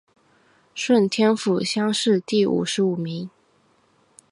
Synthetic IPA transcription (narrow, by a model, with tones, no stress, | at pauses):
ʂwə˥˨nt̪ʰjɛ˥nfu˨˩ɕjɑ˥ŋʂɻ̩˥˧t̪i˥˩ṵ˨˩ʂɻ̩˧˥u˨˩mi˧˥ŋ